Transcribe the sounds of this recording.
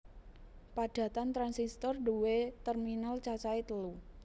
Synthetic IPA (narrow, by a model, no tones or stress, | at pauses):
paɖ̥ä̤t̪ant̪ɾansist̪ɔrɖuwet̪ərminalt͡ʃat͡ʃaet̪əlu